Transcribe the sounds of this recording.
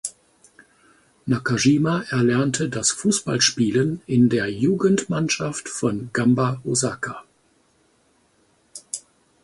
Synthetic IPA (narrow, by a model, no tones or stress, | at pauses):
nakaʒiːmaʔɛɐlɛɐntʰədasfuːsb̥a̰lʃpiːlənɪndeːɐjuːɡən̩tmanʃaftfɔnɡambaozakʰa